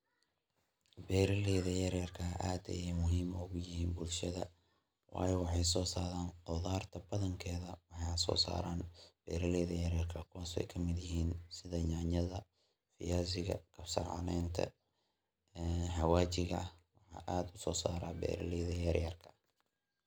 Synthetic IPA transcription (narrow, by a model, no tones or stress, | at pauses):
bɛːɾɐlɛːðɐjɐɾjɐrkʰɐʔaːd̪ɐ̰jɛmʊɦiːmʊɣʊjɪɦiːnbʊlʃɐðɐ̰ | wɑ̰ːjɔwɑħɑjs̬ɔːsaːɾaːnd̪ɔðaːrt̪ʰɐbɐðɐŋkʰɛːðɐwɑħɑjɐsɔ̰ːsa̰ːɾaːnb̥ɛ̰ːɾɐlɛːðɐjɐɾjɐrkʰɐkʰaːsɛ̰jkʰɐmɪd̪jɪɦiːnsɪðɐɲɑːɲɐðɐ | fɪ̰jaːsɪɣɐ̰kʰɐbsɑ̰ʕɑ̰nɛːnt̪ʰɐ̰ | ɛħɐwaːt͡ʃɪɣɐhwɑħɑ̰ːʔaːd̪ʊsɔːsaːɾa̰ːbɛ̰ːɾɐ̰lɛːðɐjɐɾjɐrkʰɐ̥